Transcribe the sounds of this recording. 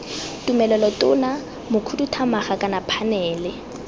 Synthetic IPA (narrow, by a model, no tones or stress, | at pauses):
tumɛlɛlɔtʼʊna | mʊkʰudutʰamaχakʼanapʰanɛːlɪ